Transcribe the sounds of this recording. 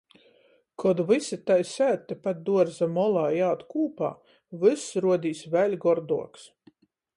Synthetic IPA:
kʰɔd̪vɨsit̪ajsʲæːt̪ʲːɛpat̪̚d̪uɔɾzamɔlˠaːjaːt̪kuːpa̰ː | vɨsɾuɔd̪ʲiːsvælʲɡɔɾd̪uɔks

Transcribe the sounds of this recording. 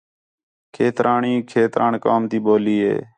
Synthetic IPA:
kʰeːt̪ɾʔaːɳiːkʰeːt̪ɾaːɳkaːmt̪iːɓoːliːɦḛː

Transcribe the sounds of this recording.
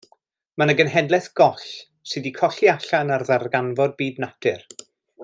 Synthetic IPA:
manəɡənɦɛdlˠɛθɡ̥ɔɬ | sɨdikʰɔɬiaɬanarðarɡanvɔd̚biːdnatʰɪr

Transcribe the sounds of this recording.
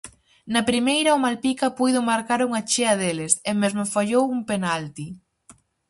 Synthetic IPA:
nɐpɾimejɾɐomalpikɐpujðʊmaɾkaɾuŋɐt͡ʃeɐðelɪsemezmʊfaʎowuŋpenalt̪i

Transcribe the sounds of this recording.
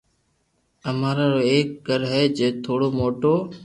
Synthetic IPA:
əmaːɾaːɾoːeːk̚ɡʱəɾɦɛːd͡ʒeːt̪ʰoːɽoːmoːʈoː

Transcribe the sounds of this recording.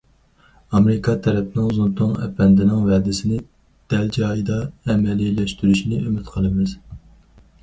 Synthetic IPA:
ɑmeɾɪkʰɑt̪ʰɛɾɛpnɪŋzunt̪ʊŋɛ̰pʰɛnd̪ɪnɪŋvɛd̪ɪsɪnɪ | d̪̥ɛld͡ʒɑːjid̪ɑɛmɛlilɛʃt̪yɾyʃinɪømɪt̪qʰəlˠɨmɪz̥

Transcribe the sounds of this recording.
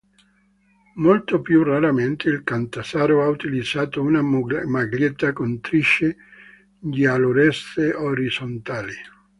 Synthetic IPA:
molt̪opjuraɾament̪eilkant̪asaːɾoaut̪ilid̪z̥aːt̪ounamaɡljet̪ːakont̪ɾiʃːe | dialoɾɛst̪eoɾizont̪aːli

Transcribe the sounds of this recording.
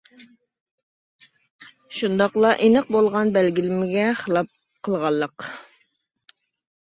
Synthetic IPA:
ʃund̪ɑqlˠɑʔinəq̚bolˠʁɑnbælɡʲilɪmɪɡʲɛχəlˠɑp̚ | qʰəlˠʁɑlˠːəq

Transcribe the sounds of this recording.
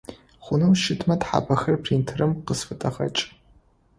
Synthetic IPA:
χʷʊnɐwʃɪtʰmɐtħa̰ːbɐxɐrpʰriːntʰɨrɨmqəsfɨtʼɐʁɐ̰t͡ʃʼ

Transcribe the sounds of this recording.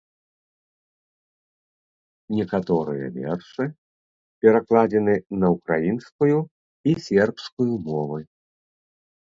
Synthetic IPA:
nʲɛkat̪ɔɾɨ̰jɐ̰vʲɛ̰rʂɨ | pʲɛɾaklˠad͡zʲɛnɨnɐwkɾa̰jinskuju | isʲɛrpskujumɔvɐj

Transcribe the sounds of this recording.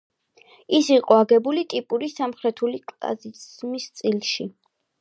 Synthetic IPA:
isiqʼɔaɡɛbulit̪ʼipʼuɾisamχɾɛt̪ʰulikʼla̰zimist̪sʼilˠʃi

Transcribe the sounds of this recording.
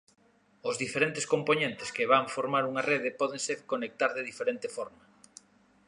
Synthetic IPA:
ʊzðifeɾent̪eskomponẽnt̪eskeβaɱfoɾmaɾuŋareð̞epɔð̞eŋseɾkonek̚t̪aɾðeðifeɾent̪efɔɾmɐ

